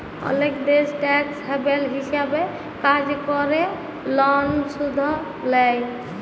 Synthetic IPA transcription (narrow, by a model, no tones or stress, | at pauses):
ə̰lekd̪esʈɛksɦebelɦisabe | kad͡ʒkɔɾe | lɔnsud̪ʱɔ | lɛj